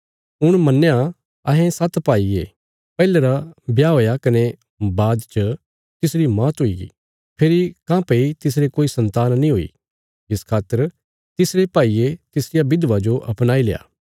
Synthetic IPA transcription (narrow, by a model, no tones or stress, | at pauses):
ʊɽ̃mɐnːeja | ɐɦɛ̃sɐt̪paːiḛ | pɛːleɾabjaɦoːjakɐne | baːd̪t͡ʃə | t̪ɪsɾimãːt̪ɦoiɡḭ | pʰeɾikãːpeit̪ɪs̬ɾekoːisɐ̃nt̪aːnnĩɦoːḭ | ɪskʰaːt̪ːəɾ | t̪ɪsɾepaːiet̪ɪsɾɪjabɪd̪ʋad͡ʒoʔɐpnaːilḛːa̰ː